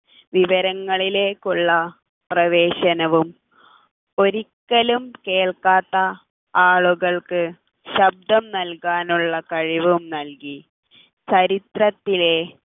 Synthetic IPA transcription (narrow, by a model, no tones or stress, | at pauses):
ʋiʋɐɾɐŋːɐɭile̞ːkːuɭːɐ | prɐʋe̞ːɕɐnɐʋum | o̞ɾikːɐlumke̞ːɭkaːt̪ːɐ | aːɭuɣɐɭkɨ | ɕɐb̚d̪ɐmnɐlkaːnuɭːɐkɐɻiʋumnɐlki | t͡ɕɐɾit̪rɐt̪ːile̞